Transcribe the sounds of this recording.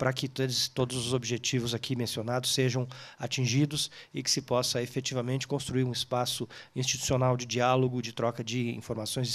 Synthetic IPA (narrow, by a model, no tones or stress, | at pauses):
pɾɐkɪt̪et̪od̪ʊzʊzobiʒet͡ʃivʊzakʰimẽsionad̪ʊsːeʒɐ̃w̃at͡ʃĩʒid̪ʊsɪkɪ̥sɪpɔsɐefet͡ʃivɐmẽnt͡ʃɪ̥kõst̪ɾuiɾũɪspasʊĩst͡ʃit̪u̥sionawd͡ʒɪd͡ʒialoɡʊd͡ʒɪt̪ɾɔkɐd͡ʒɪḭ̃foɾmasõj̃z